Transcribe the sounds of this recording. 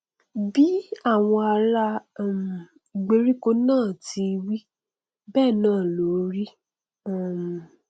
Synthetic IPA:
bi˦a˦˨w̃ɔ̃˧a˧ɾa˧˦˨m˨ | i˨ɡ͡be˧ɾi˦ko˧nãː˦˨ti˧wi˦ | bɛː˦˨nãː˦˨lo˨˦ɾi˦˨ | m˨

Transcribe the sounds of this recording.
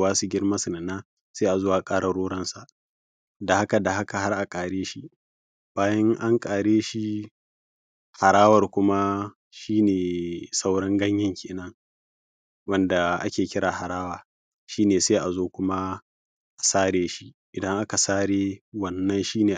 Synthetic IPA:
waː˦su˨ɡʲɪ˦rmɐ˦sʊ˨nɐ˨nːaː˦ | seː˦ʔa˨zoː˦ʔa˨kʼaː˦ɽa˨ɽoː˦ɽɐ˦nsa˨ʔ | da˨ha˦ka˨da˨ha˦ka˨ha˦rʔa˨kʼaː˨ɽeː˦ʃi˦ | b̥aː˦jɐ˦ŋʔa˦ŋkʼaː˨ɽeː˦ʃi˦ | ha˨ɽaː˦wɐ˨rkʷʊ˦ma˦ | ʃiː˦neː˨sa˦wɽɐ˦ŋɡɐ˦ɲjɐ˦ŋkʲʰeː˨nɐ˦ŋ | wɐ˦nda˨ʔa̰˦kʲeː˨kʲɪ˦ɾaː˨ha˨ɽaː˦waː˨ | ʃiː˦neː˨seː˦ʔa˨zoː˦kʷʊ˦ma˦ | ʔa˨saː˦ɽeː˦ʃi˦ | ʔɪ˨dɐ˦ŋʔa˦ka˨saː˦ɽeː˦wɐ˦nːɐ˦nʃiː˦neː˨

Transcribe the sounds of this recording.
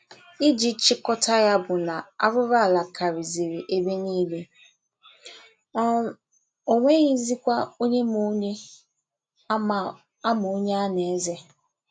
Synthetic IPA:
i˦d͡ʒi˦t͡ʃɪ˦kɔ˦ta˦ja˦bʊ˨na˨a˦ɾʊ˦ɾa˦˨la˨kʰa˨ɾi˨zi˨ɾi˨ʔe˦be˦niː˦le˦ | o˦ŋʷe˦ɣi˦zi˦kʷa˦o˦ɲe˦mu˦ɲe˦˨ | a˦mʊ˨o˦ɲe˦a˦ne˨˦ze˦

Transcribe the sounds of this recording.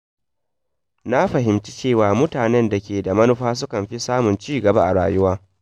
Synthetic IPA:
na˦ɸɐ˨ɦɪ˨mt͡ʃi̥˦t͡ʃeː˦˨waː˨mʊ˦taː˨nɛ˦nda˨kʲeː˨da˨mɐ˦nʊ˦ɸaː˦s̬ʊ˦kɐ˨mɸi˦saː˦mʊ˨nt͡ʃiː˦˨ɡɐ˨ba˦ʔa̰˨ɽa̰ː˨jʊ˦waː˦

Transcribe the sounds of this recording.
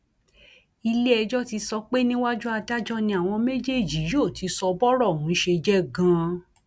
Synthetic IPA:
i˧le˦ɛ˧d͡ʒɔ˦ti˧sɔ˧k͡pe˦nĩ˦wa˦d͡ʒu˦a˧da˦d͡ʒɔ˦nĩ˧a˨w̃ɔ̃˧me˦d͡ʒe˦˨d͡ʒi˨˦jo˦˨tʰi˨˧˦sɔ˧bɔ˦ɾɔ˦˨hũ˨˦ʃe˧d͡ʒɛ˦ɡã˧˦

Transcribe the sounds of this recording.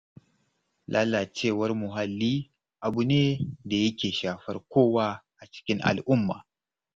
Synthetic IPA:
lʔaː˦lːa˨t͡ʃeː˦˨wɐ˦rmʊ˨ɦa˨lːiː˦ | ʔa˨bu˨neː˦da˨jɐ˦kʲeː˨ʃaː˨ɸɐ˦rkʷoː˦waː˦ʔa˨t͡ʃɪ̥˦kʲɪ˦ŋʔa̰˨lʔʊ˦mːa̰ː˨

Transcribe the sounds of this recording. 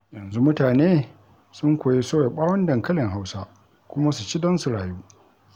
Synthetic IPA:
jɐ˨nzu˦mʊ˦taː˨neː˦ | sʊ˦ŋkʷoː˨je˦soː˦wa˨ɓaː˦wɔ˦ndɐ˨ŋkɐ˦lɪ˨ŋɦa˦wsa˦ | kʷʊ˦ma˦su˨t͡ʃi˦dɐ˦nsu˨ɽaː˨juː˦

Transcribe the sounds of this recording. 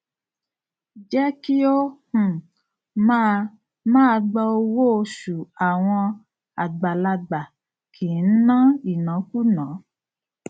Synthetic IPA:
d͡ʒɛ˦ki˦o˦hũ˨ | ma˦ | mãː˦˧ɡ͡bɔ˧o˧wo˦˧ʃu˨a˨w̃ɔ̃˧ | a˨ɡ͡ba˨la˧ɡ͡ba˨ | kʰi˨n̩˦nã˦i˨nã˨˦ku˦˨nãː˨˦

